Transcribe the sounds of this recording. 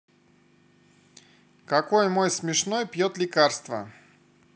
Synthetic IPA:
kɐkojmojsmʲɪʂnojpjot̪lʲɪkarst̪və̰

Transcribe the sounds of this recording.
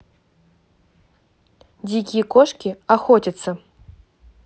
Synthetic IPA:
d͡zʲikʲikoʂkʲiaxotʲɪt̪sɐ

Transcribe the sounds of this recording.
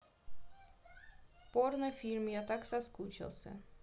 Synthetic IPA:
pornɨfʲilʲmjat̪aksɐskut͡ɕɪ̰lˠsʲə̰

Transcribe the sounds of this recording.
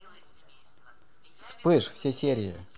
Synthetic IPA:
spɨʂfsʲesʲeɾʲɪɪ̰

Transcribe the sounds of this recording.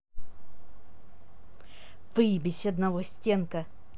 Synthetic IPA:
v̥ɨbʲɪsʲɐd̪nɐvosʲtʲenkə

